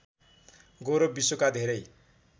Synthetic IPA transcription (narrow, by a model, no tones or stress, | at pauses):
ɡoɾobisokad̪ʱeɾʌj